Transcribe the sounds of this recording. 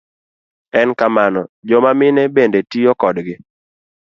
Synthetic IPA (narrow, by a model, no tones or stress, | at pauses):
ɛnkamanɔd͡ʒɔmamɪnɛbendetijɔkɔdɡɪ